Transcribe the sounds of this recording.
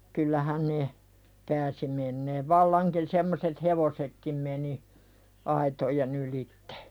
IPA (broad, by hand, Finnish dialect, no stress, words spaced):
kylːæhæ ne pæːsi menːeːʋ ʋɑlːɑŋkin semːoset heʋosekːim meni ɑitojen ylitːe̥